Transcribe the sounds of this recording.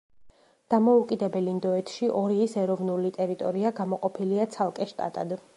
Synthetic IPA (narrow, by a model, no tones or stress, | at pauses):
d̪̥amɔukʼid̪ɛbɛlind̪ɔɛt̪ʰʃiʔɔɾiːsɛɾɔvnulit̪ʼɛɾit̪ʼɔɾiaɡamɔqʼɔpʰiliat̪sʰalˠkʼɛʃt̪ʼa̰t̪ʼa̰d̪